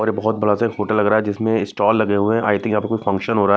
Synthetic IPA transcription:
ɔːɾjebɐɦʊt̪̚bɐɽasaekhoːʈəlːɐɡɾaːɦɛd͡ʒɪsmẽɪsʈɔːlːɐɡeɦuẽaːɪjt̪ʰɪ̃kjɐãːpɐɾkoːifɐ̃ŋkʃənɦoːɾa

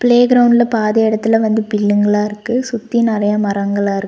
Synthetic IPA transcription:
pɭeːɡɾɐʊɳɖɪlɐpaːðɐɪɽɐt̪ːɪlɐʋɐnd̪ɯpɪɭːɯŋɡɐɭaːɪɾɯkːɯsʊt̪ːinɪrɐjɐmɐɾɐŋɡɐɭaːɪɾɯ

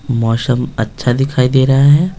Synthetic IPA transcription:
mɔːsəmɐtːʃʰad̪ɪkʰaːid̪eːɾɐɦaɦɛː

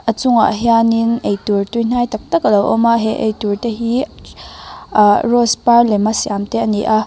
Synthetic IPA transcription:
ʔət͡sʊŋa̰ʔɦjaninʔejturtujn̥ajt̪ɐk̚t̪ɐkalɔwʔɔmaɦɛʔḛjturteɦi | rɔsparlɛmasiʔamt̪ɛʔɐniʔa

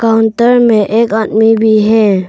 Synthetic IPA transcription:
kaʊnʈəɾmẽʔeːkaːd̪mibʱiɦɛ

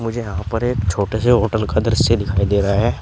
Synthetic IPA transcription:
mʊd͡ʒʱejɐɦãpɐɾeːkt͡ʃʰoːʈeseɦoːʈəlkad̪ɐɾəsːed̪ɪkʰaːid̪eːɾɐɦaɦɛː

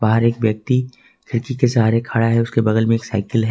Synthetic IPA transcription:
baɦəɾeːkʋjɐk̚t̪i | t̪ʰɪɾkikesaɦaɾekʰaɽaɦɛʊskebɐɡəlmẽeːksa̰ːɪkəlɦɛː

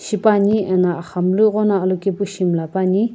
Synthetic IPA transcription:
ɕipaɲiənaχamluʁonaʔəlokepuɕimlapaɲi

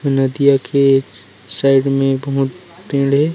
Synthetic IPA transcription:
onɐd̪ijakʰe | saːɪɖmẽbɐɦʊt̪̚ | pẽːɽɦɛː

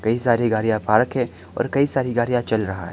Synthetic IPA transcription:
kɐisaːɾiɡaːɾijapaːɾkɦɛ | ɔ̰ːɾkɐisaːɾiɡaːɾijat͡ʃɐlɾɐɦa̰ɦɛ̰

